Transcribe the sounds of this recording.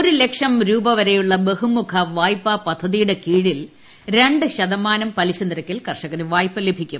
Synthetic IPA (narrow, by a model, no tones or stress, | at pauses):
oɾule̞kʂɐmɾuːbɐʋɐɾe̞juɭːɐbe̞ɦumukʰɐʋaːjpːɐpɐd̪ʱːɐðijuɽe̞kiːɻil | ɾe̞ɳɖɨɕɐðɐmaːnɐmpɐliɕɐnd̪ɾɐkʲːilkɐrʂɐɣɐnɨʋaːjpːɐle̞bʱikʲːum